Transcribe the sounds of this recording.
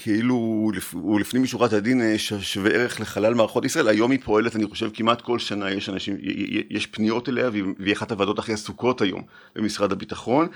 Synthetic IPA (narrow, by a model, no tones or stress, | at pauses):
kʰeilulifulifnimjiʃuʁatadinʃaʃveʔeʁeχleχalalmaːʁaχo̞tisʁaelajo̞mipʰo̞e̞letaniχo̞ʃevkimatko̞lʃanajeʃanaʃim̰jeʃpnijo̞teleavvaχatavado̞taχihasuko̞thajo̰m | bḛmisʁadhabitaχo̞n